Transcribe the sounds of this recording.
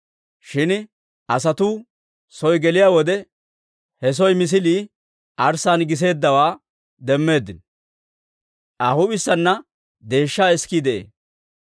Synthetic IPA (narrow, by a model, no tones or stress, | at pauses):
ʃɪn | ʔɐsɐt̪uː | sɔjɡɛlɪjaːwɔd̪ɛ | hɛs̬ɔjmɪs̬ɪliː | ʔɐɾsaːnɡɪs̬e̞ːd̪ːɐwaː | d̪ɛmːe̞ːd̪ːɪn | ʔahʊbɪsːɐnːɐ | d̪e̞ːʃːaːɛskiːd̪ɛʔḛː